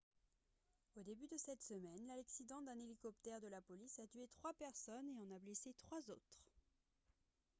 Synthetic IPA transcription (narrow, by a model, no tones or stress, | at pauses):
od̪ebyd̪əsɛt̪səmɛnlalɛksid̪ɑ̃d̪ɛ̃nelikɔpt̪ɛʁd̪əlapɔlisat̪yɥet̪χwapɛʁsɔneɑ̃nableset̪χwazot̪χ